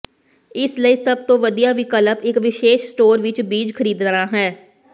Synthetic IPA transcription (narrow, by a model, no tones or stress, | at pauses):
ɪsləiːsəb̚t̪õːʋəd̪ijaːʋiːkələpɪkʋɪʃeːʃsʈoːɾʋɪt͡ʃbiːd͡ʒkʰəɾiːd̪ɾaːɦɛː